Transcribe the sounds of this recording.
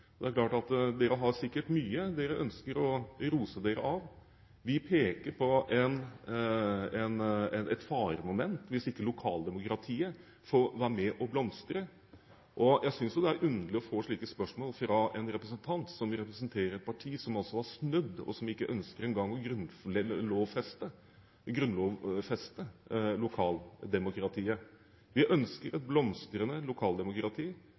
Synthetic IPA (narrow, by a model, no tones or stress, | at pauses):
d̪ɛæɾklɑːʈɑt̪d̪eːɾəɦɑɾsɪkːəʈmyːəd̪eːɾəʔœnskəɾɔɾuːsəd̪eːɾəʔɑʋ | ʋɪpʰeːkəɾpʰɔʔɛn | ɛnɛɛt̪fɑːɾmɔmɛnt̪ʋɪsɪkːəlʊkʰɑ̰ːld̪ɛmʊkɾɑt̪ʰiːə | fɔːʋæːɾəmɛʔɔblɔmst̪ɾə | ʔɔjæɪsʏnsjʊd̪ɛæɾʔʉnd̪əlɪɔfoːʂɭiːkəspœʂmoːlfɾɑɛnɾɛpɾəsənt̪ʰɑnt̪sɔmɾɛpɾəs̬ənt̪ʰeːɾəɾɛt̪̚pʰɑʈʰiːsɔmɑlsɔʋɑʂnʉd̪ːɔ̰sɔmɪkːəʔœnskəɾɛnɡɑŋːɔɡɾʉnloːʋfɛst̪ə | ɡɾʉnloːʋfɛst̪əlʊkʰɑːld̪ɛmʊkɾɑt̪ʰiːə | ʋɪʔœnskəɾɛt̪̚blɔmst̪ɾənəlʊkʰɑːld̪ɛmʊkɾɑt̪ʰiː